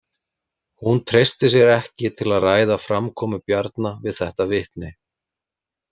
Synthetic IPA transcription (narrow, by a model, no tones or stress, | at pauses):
hunt̪ʰɾejst̪ɪs̬jɛɾɛhcɪt̪ʰɪlaðraːjðafɾamkʰɔːmʏpjaɾt̪navɪðθɛht̪avɪht̪nɪ